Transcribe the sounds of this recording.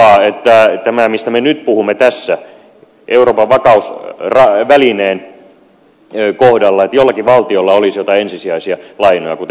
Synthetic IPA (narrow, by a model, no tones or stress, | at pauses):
ɑet̪ːæt̪æmæmist̪æmenyt̪puhumːet̪æsːæ | ʔeuroːpɑʋʋɑkɑusrɑʋælineːn | kohdɑlːɑet̪jolːɑkiʋɑlt̪iolːɑolisjot̪ɑensisiæisiælɑinojɑ̰kut̪